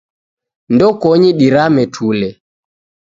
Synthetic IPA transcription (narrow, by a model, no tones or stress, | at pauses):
ndɔkɔɲiɗiɾamɛtʰulɛ